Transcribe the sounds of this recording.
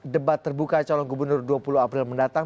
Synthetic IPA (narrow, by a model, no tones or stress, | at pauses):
dəbat̪ːərbukat͡ʃɔlɔŋɡubərnʊrduapuluapɾɪlməndat̪aŋ